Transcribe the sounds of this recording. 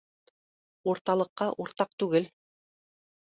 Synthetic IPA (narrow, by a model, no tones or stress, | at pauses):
uɾt̪ɑlˠɤ̆qːɑʔuɾt̪ɑq̚t̪ʉɡɘl